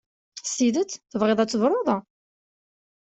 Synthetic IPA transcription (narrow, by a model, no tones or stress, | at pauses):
siðət͡sːθəvʁeðˤæt͡sːəvɾˤoðˤɑ